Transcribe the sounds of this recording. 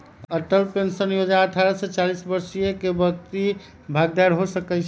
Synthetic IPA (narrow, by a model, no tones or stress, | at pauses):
əʈəlpensənjod͡ʒaəʈʰaɾaset͡ʃalisbəɾsijekebəkt̪i | bʱaɡ̚d̪aɾɦosəkɛt͡ʃʰ